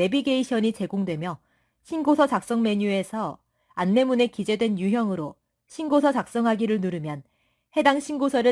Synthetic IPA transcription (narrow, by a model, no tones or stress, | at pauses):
e̞biɡe̞iɕʰʌɲit͡ɕe̞ɡoŋdwe̞mjʌ | ɕʰinɡosʰʌt͡ɕak̚s͈ʌŋme̞ɲue̞sʰʌ | anme̞munekid͡ʑe̞dwenjuɦjʌŋɯɾo | ɕʰinɡosʰʌt͡ɕak̚s͈ʌŋɦaɡiɾɯɭnuɾɯmjʌn | he̞daŋɕʰinɡosʰʌɾɯ